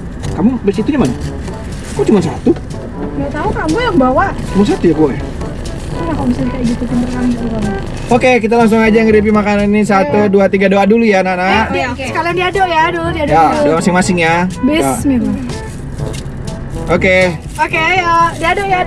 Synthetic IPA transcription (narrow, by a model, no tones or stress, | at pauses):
kamubəsit̪uɲamana | akat͡ʃumans̬a̰t̪u | ŋɡat̪aukamujaŋbawat͡ʃumans̬at̪ujabulɛh | anakabisadikajaɡit̪ut̪indərkanakaukana | okek̬it̪̬alaŋs̬ʊŋad͡ʒaŋiɾip̬imakanannis̬at̪uduat̪iɡadoadulujananakeskalandiadoʔjaduludiadjaduamasɪŋmasɪŋjabɪamima | oke | okejadiadoʔja